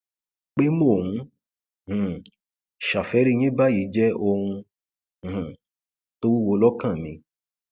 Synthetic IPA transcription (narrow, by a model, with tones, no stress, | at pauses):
k͡pe˦mo˦˨hũ˧ | h̩˨ | ʃa˨fɛ˨˦ɾi˦ɲ̃ĩ˦ba˦ji˨˦d͡ʒɛ˦ʔo˧hũ˧˨ | h̩˨ | to˦wu˦wo˧lɔ˦kã˦˨mĩ˧